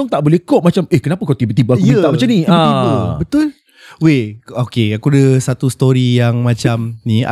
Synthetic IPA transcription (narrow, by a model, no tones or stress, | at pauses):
ɔŋt̪aʔbolɛhkɔʔmat͡ʃamehkənapakawt̪ibət̪ibəakkut̪aʔmat͡ʃamniãibəbət̪ʊl | weokeakudəsat̪ust̪oɾijaŋmat͡ʃamnia̰